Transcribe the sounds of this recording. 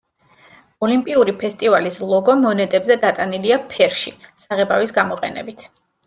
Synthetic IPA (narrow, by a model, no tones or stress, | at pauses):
ɔlimpʼiuɾipʰɛst̪ʼivalislˠɔɡɔmɔnɛt̪ʼɛbzɛd̪at̪ʼaniliapʰɛɾʃisaʁɛbavisɡamɔqʼɛ̰nɛ̰bit̪ʰ